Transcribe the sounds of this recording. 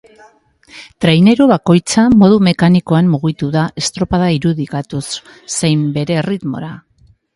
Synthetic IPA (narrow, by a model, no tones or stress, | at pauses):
t̪ɾajne̞ɾuβako̞jt͡samo̞ð̞ume̞kaniko̞amːuɣit̪uðaʔe̞st̪ɾo̞paðaiɾuðikat̪usː | ejmbe̞ɾe̞rit̪mo̞̰ɾa